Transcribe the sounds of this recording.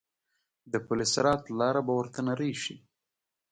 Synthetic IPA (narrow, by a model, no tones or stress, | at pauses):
d̪əpʊlɪsɾɑt̪lɑɾabawəɾt̪anaɾejʃḭ